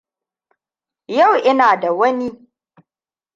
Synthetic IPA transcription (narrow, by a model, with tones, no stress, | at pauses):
ja˦˨wʔɪ˦naː˨da˨wɐ˦ni˦